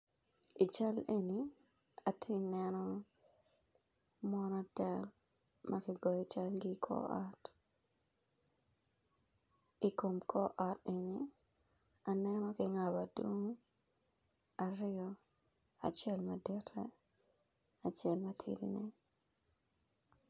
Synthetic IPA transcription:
i˨t͡ʃa˦le˨ni | a˨tʰɪ˦nɛnɔ˦ | mɔnɔ˦tɛ˦l | mʔɐkɪ˦ɡɔ˨jit͡ʃa˦lɡikʰɔ̰ɔ˦t | i˨ko˨mkʰɔ˦ʔɔ˦te˨ni | a˨nɛnɔkɪŋa˨badwo˦ŋ | aɾɪ˦ɔ | a̰˨t͡ʃɛ˦lmɐdɛtʰːɛ̰ | a˨t͡ʃɛ˦lmɐtʰḭdḭnɛ

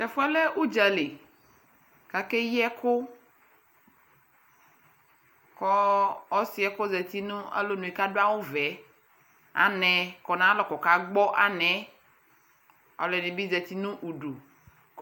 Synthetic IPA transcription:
tɛ˨fu˦ɛ˦le˦u˦d͡ʒa˨le˨ | ka˨ke˦ji˦ɛ˦kʰo˦ | kɔ˦ɔ˦si˦ɛ˨ko˦zɛ˨t̪i˦nũ˦a̰˦lo˦nũ˨i˨ka˦do˦a˦wo˦vɛ˨˦ | a̰˨nɛ̃˨kɔ˨nã˦lɔ˨kɔ˨ka˨ɡ͡bɔ˦ʔa˦nɛ̃˨˦ | ɔ̰˨lɛ˨nĩ˨bi˦zɛ˨t̪i˦nũ˦ʔu˨ɖu˨

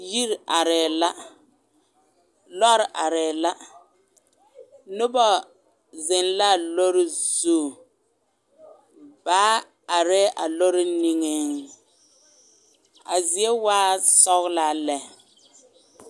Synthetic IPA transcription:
ji˦ɾa˨ɾɪː˨la˦ | lɔ˦ɾɪ˨ʔa˨ɾɛ˨la˦ | nʊ˦bɔ˦ | zɪ˨nla˦˨lo˦ɾɪ˦zuː˦˨ | baː˨˦ | a˨ɾɛ˦ʔa˨lo˦ɾɪ˦ni˦ŋe˦ŋ | a˨zi˨e˦waː˦sɔ˦ɣla˦˨lɛ˨

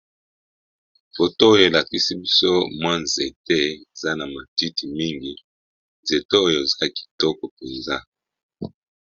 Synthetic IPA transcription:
bo˨to˦o˦jo˨e˨la˨ki˦si˦bi˦so˦mwa˦nze˨te˦e˨za˦na˨ma˨ti˦ti˨mi˦ŋɡi˨ | nze˨te˦o˦jo˨e˨za˦ki̥˨tɔ˦kɔ˨pe˨nza˦

